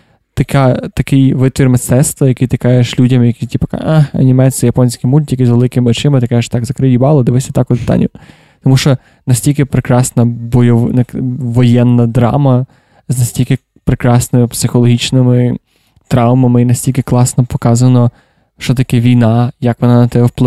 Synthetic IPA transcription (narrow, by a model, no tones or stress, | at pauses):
t̪ɐkat̪ɐkɪjʋɪt̪ʋʲirmest̪ɛt̪st̪ʋɐjɐkɪt̪ɪkɑjeʃlʲudʲɐmjɐkitʲipɐ̥ka̰axɐ̰nʲimɛsʲɪjɐpɔnʲsʲkɪjmulʲt̪ʲjɐkɪzʋelˠɪkɪmɪɔt͡ʃɪmɪt̪ɪkɑjeʃt̪ɑɡzɐkɾɪjʲibɑlˠɔd̪eʋɪsʲɐt̪ɑkʊpɪ̥t̪ɑ̰nʲʊ | t̪ɔmuʃt͡ʃɔ | nɐsʲtʲilʲkɪpɾekɾɑsnɐbɔjɔʋnɐʋɔjɛnːɐd̪ɾɑ̰mɐ | znɐsʲtʲilʲkɪ | pɾekɾɑsnɪmɪpsɪxɔlˠɔɦʲit͡ʃnɪmɪ | t̪ɾɑwmɐmɪinɐsʲtʲilʲkɪklˠɑsnɔpɔkɑzɐnɔ | ʃt͡ʃɔt̪ɐkɛʋʲijnɑjɐkʋɔnɑnɐt̪ɛbɛwplˠ